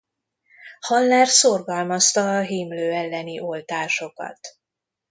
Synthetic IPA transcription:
hɒlːaːrsorɡɒlmɒst̪ɒːɦiːmløːɛlːɛniʔo̞lt̪aːʃo̞kɒ̰t̪

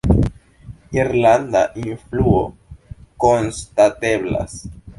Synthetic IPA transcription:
iɾland̪a̰ʔinfluoko̞nstate̞bla̰s

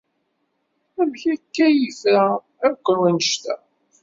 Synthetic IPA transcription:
æmçækːæjifɾæ | æɾkʷːəɾwænəʃt̪æ̰

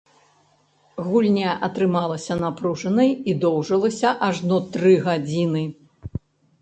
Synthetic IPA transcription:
ɣulʲnʲaʔɐt̪ɾɨmalˠɐsʲɐnapɾuʐɐnɐjid̪ɔwʐɐlˠɐsʲɐʔaʐnɔt̪ɾɨɣad͡zʲinɨ

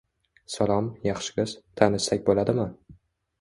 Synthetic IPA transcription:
salˠɒmjɑχʃɪ̥ɡʲɪz̥t̪ʰanɪʃsakʲbolad̪ɪmɪ

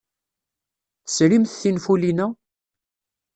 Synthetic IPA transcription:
θəsɾimθθinfulinæ

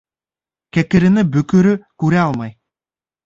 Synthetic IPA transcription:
kækɘ̆ɾɘ̆nɘbɵ̆kɵ̆ɾɵkʉɾæɑlˠmɑj

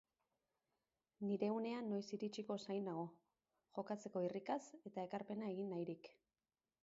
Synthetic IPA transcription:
niɾe̞une̞anːo̞jsiɾit͡ʃiko̞sajnaɣo̞ | ʝo̞kat͡se̞ko̞irikase̞t̪ae̞kaɾpe̞nae̞ɣ̞inːajɾik

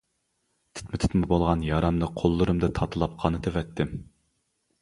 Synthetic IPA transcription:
t̪ʰɪ̥t̪mɪt̪ʰy̥t̪mɪbolˠʁɑnjɑːɾɑmnɨqʰolˠːʊɾɨmd̪ɨt̪ʰɑt̪ʰɨlˠɑp̚qʰɑnɨt̪ʰevɛt̪ʰːɪm

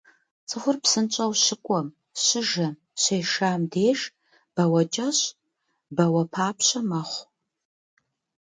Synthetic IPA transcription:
t͡sʼɨχʷʊrpsɨnt͡ʃʼɐwɕɪkʷʼɔm | ɕɪʒɐm | ɕejʃaːmdeːʒ | b̥ɐwɐt͡ʃʼɐɕ | bɐwɐpʰaːpʰɕɐmɐχʷ

